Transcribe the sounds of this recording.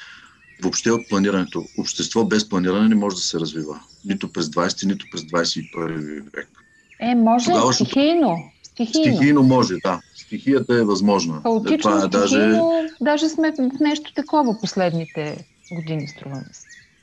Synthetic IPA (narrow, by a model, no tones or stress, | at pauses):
vopʃt̪ɛot̪̚plˠɐniɾɐnɛt̪oopʃt̪ɛst̪vɔbɛsplˠɐniɾɐnɛnɛmɔʒɛd̪ɐsɛɾɐzvivə̰ | nit̪opɾɛzd̪vajsɛ̥t̪init̪o̥pɾɛzd̪vajsɛipəɾivivɛ̰k | ɛmɔʒt̪ɡavəxijnost̪ixiinijnomɔʒɛd̪ast̪ixijət̪ɐɛvɐzmɔʒnəəot̪it͡ʃvaɛd̪aʒɛnod̪aʒɛsmɛnɛʃt̪ʊ̥t̪ɐkɔvɐposlɛd̪nit̪ɛ | ɡʊd̪inist̪ɾuvɐmɛsɛ̥